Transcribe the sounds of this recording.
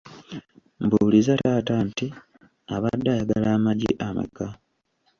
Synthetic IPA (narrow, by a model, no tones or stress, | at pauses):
mbulizataːtanti | aβadːajaɡalaːmaɟḭʔama̰kːa